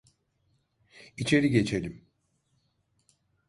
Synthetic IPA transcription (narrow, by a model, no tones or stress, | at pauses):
it͡ʃʰe̞ɾiɟe̞t͡ʃʰe̞lʲim